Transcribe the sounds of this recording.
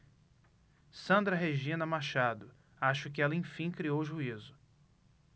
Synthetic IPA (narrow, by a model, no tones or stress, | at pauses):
sɐ̃nd̪ɾɐɦeʒĩnɐmaʃad̪ʊ | aʃʊkɪɛlɐẽj̃fĩkɾiowʒuizʊ